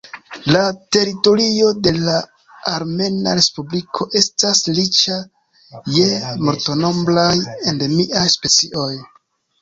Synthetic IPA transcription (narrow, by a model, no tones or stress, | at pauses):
late̞ɾito̞ɾio̞de̞laː | ɾme̞na̰ɾe̞spublikʰo̞ʔe̞staslit͡ʃa | je̞mo̞ɾto̞no̞mblajendemiʔajspe̞t͡siʔo̞j